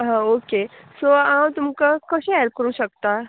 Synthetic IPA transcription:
ɦãoːkesoaːmt̪ʊmkakoʃɛːjəɾkəɾũʃɐk̚t̪aɦ

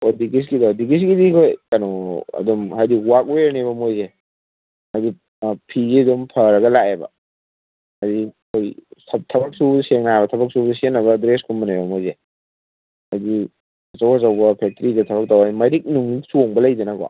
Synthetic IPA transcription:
odiɡis̬ɡidadiɡis̬ɡidikʰojkɐnoɐ̰dɔmɦadiwak̚weɾnebɐmojze | adi | pʰizidumpʰɐɾɐɡɐlaebɐ̰ | adikʰojsʰɐtʰɐbɐk̚subseŋnabɐtʰɐbɐk̚subdusenːɐβɐdɾeskʰummɐnebɐmojze | hɐdi | ɐt͡ʃɐwasɐwbɐpʰek̚tɾidɐtʰɐbɐk̚tawamɐɾik̚nuŋisuoŋbɐlɐjdɐnɐɡɔ̰

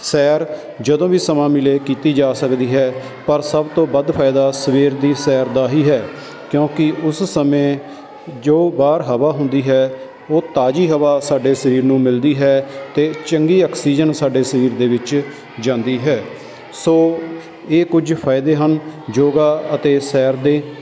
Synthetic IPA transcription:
sɛːɾ | d͡ʒəd̪õːʋiːsəmãːmɪleːkiːt̪iːd͡ʒaːsəkd̪iːɦɛː | pəɾsəbt̪õːbəd̪pʰaːɪd̪aːsəʋiːɾd̪iːsɛːɾd̪aːɦiːɦɛː | kjõːkɪʔʊssəmẽː | d͡ʒoːbaːɾɦəʋaːɦʊnd̪iːɦɛː | oːt̪aːd͡ʒiːɦəʋaːsaːɖeːsəɾiːɾnũːmɪld̪iːɦɛːt̪eːt͡ʃəŋɡiːɔːksiːd͡ʒənsaːɖeːsəɾiːɾd̪eːʋɪt͡ʃ | d͡ʒãːnd̪iːɦɛː | soː | eːkʊd͡ʒpʰaːɪd̪eːɦənd͡ʒoːɡaːət̪eːsɛːɾd̪eː

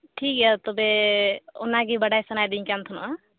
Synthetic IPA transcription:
ʈʰikɛt̪ɔbeo̰naɡibəɽajsənajd̪ĩkant̪ʰunɔ

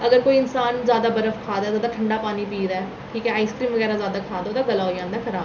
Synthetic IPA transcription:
əɡəɾkoːiːɪnsaːnzjaːd̪aːbəɾəfkʰaːd̪aːzaːd̪aːʈʰəɳɖaːpaːniːpiːd̪aɛː | ʈʰiːkɛːaːɪskɾiːmʋəɡɛːɾaːzjaːd̪aːkʰaːd̪aoːt̪aːɡəlaːojãːnd̪aːkʰəɾaːb

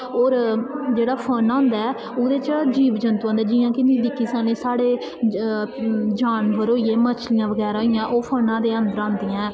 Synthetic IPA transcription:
oːɾd͡ʒeːɽaːpʰənãːnd̪aɛː | oːd̪eːt͡ʃd͡ʒiːʋd͡ʒənt̪ːãːnd̪aːd͡ʒɪːãːkɪnd̪iːd̪ɪkːiːsaːnẽːsaːɽeː | d͡ʒaːnbəɾoːiːeːmət͡ʃʰlɪjãːʋəɡɛːɾaːɪjãːʔoːpʰənãːd̪eːənd̪əɾãːnd̪ijãːɛː

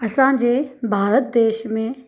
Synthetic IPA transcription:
ɐsãd͡ʑeːbʱaːɾət̪̚d̪eːʃmẽ

